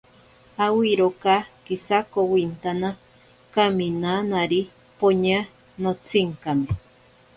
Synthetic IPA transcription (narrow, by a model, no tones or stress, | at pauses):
awiɾokakisakowint̪ana | kaminanaɾi | poɲa | not͡siŋkame